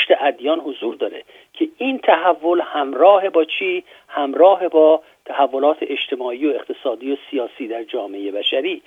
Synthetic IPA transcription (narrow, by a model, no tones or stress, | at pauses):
ʃt̪eʔæd̪jɒːnhozuːɾd̪ɒːɾḛ | cʰe̞ʔiːnt̪ʰæhævːo̞lhæmɾɒːhe̞bɒːt͡ʃʰiː | hæmɾɒːɦe̞bɒː | t̪ʰæhævːo̞lɒːt̪ʰeʔeʃt̪ʰe̞mɒːʔiːoe̞xt̪ʰe̞sɒːd̪iːosijɒːsiːd̪æɾd͡ʒɒːmeeje̞bæʃæɾiː